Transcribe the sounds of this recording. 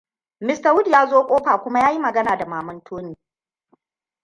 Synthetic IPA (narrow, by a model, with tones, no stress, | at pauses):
mɪ˦sta˨wʊ˦djaː˦zoː˦kʷʼoː˦ɸaː˨kʷʊ˦ma˦jaː˦ji˦mɐ˨ɡɐ˦naː˨da˨maː˨mɐ˦ntʰoː˦niː˦